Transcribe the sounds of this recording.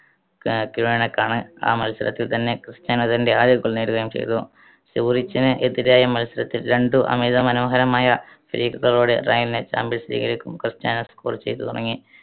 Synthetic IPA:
kiɻujɐɳekːaːɳɨa̰ːmɐlsɐlɐ̰t̪ːilt̪ɐnːe̞krɨstaːnɐðinde̞aːd̪jɐkːɐɭneːɽuɣɐjumt͡ɕḛjt̪u | siʋrit͡ɕːinɨʔeðiɾaːjɐmɐlsilɐt̪ːilɾeɳɖuʔɐ̰meːðɐmɐnoːɦɐɾɐmaːjɐ | fiɾiːkɐɣɐɭoːɽeraːjilinet͡ɕa̰ːmbilsɐɾḭːɣɐɾikʲːumkrɨstaːnɐskorɨt͡ɕːe̞̰jt̪ːut̪urɐ̰ŋːi

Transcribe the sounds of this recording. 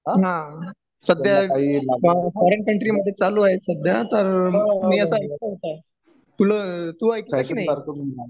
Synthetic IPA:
ɦã | səd̪ʱja | fɔɾəɳkəɳʈɾiməd̪ʱːjet͡saluːaɦesəd̪ʱjat̪əɾmiːəsəajkt̪əɦot̪a | t̪ul̤ət̪uːajkikinaɦiɾ

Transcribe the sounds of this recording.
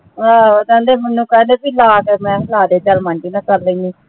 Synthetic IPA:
aot̪ãːnd̪eːmənːũːkɛ̃ːnd̪eːpiːlaːkemɛ̃ːkʰəlaːd̪eːd͡ʒəlmaɳʈiːnãːkəɾlə̃ĩːd̪iː

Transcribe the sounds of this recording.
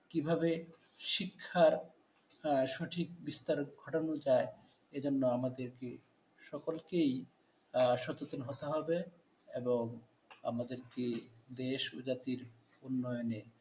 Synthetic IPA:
kibʱaβe | ʃikʰːaɾ | ʃoʈʰik̚bist̪aɾɡʱɔʈonod͡ʑae | ed͡ʑonːoamad̪eɾke | ʃɔkolkej | ʃɔt͡ɕot̪onɦot̪eɦɔbe | eboŋ | a̰mad̪eɾkid̪eʃud͡ʑat̪iɾ | unːɔjone

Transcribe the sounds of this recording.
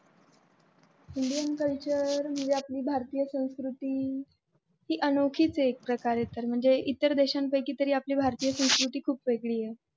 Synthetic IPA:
iɳɖijənkəlt͡ɕəɾm̤əd͡zeapliːbʱaɾt̪iːjəsə̃w̃skɾut̪iː | ɦiːʔənokʰiːt͡seːk̚pɾəkaɾjet̪əɾm̤əɳd͡zeʔit̪ːəɾd̪eɕampəjkiːt̪əɾiːapliːbʱaɾt̪iːjəsə̃w̃skɾut̪iːkʰuːpʋeɡɭiːje

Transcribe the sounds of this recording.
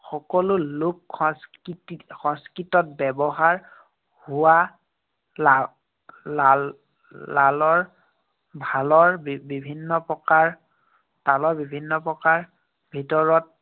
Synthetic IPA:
xɔkɔlʊlʊkxɔskitixɔ̃ŋskitɔt̚bɛbɔɦaɹ | hʊwa | la | a | lalɔɹ | bʱalɔɹbibʱinːɔpɔkaɹ | talɔɹbibʱinːɔpɹɔkaɹ | bʱitɔɹɔt̚

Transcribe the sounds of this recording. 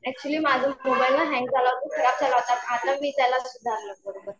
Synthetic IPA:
ɛk̚t͡ɕuəliːmad͡zʱumkubailːaɦɛ̃ŋɡ̚d͡zʱalaʋt̪ukʰikap̚t͡salaʋt̪at̪mat̪əmiːt̪jalasud̪ʱaɾləkəɽbəɾ

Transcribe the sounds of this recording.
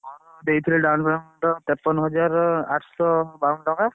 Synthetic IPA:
ɔd̪ejt̪ʰileɖawnbɾanʈɔt̪ɛpːɔnɦɔd͡ʒaɾaʈʰsɔbaunʈɔka

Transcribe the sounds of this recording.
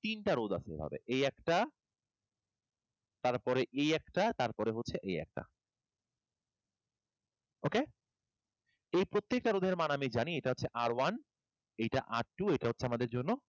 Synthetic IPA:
t̪inʈaɾod̪a̰sebʱa̰bḛʔejɛkʈa | t̪aɾpɔɾeʔejɛkʈat̪aɾpɔɾeɦotːɕʰeʔejɛ̰k̚ʈa̰ | oke | ejpɾot̪ːek̚ʈaɾod̪ʱeɾmanamid͡ʑaniejʈaɦotːɕʰeʔaɾwan | ejʈa̰ʔaʈʈːuejʈaɦotːɕʰeamad̪eɾd͡ʑonːo

